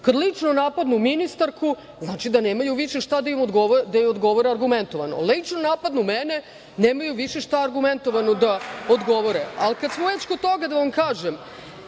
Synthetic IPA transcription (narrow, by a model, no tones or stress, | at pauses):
kad̪lit͡ʂnonapad̪numinist̪aɾkʰu | znaːt͡ʃid̪aneːmajuʋiʃeʃt̪ad̪aimod̪ɡoʋod̪ajɛod̪ɡo̞ʋoɾeaɾɡument̪oʋano̰lit͡ʂnonaːpad̪numene | neːmajuʋiʃeʃt̪aːɾɡument̪oʋanod̪aod̪ɡo̞ʋoɾea̰lkad̪smoʋet͡ɕkod̪̚t̪o̞ɡad̪aʋamkaːʒem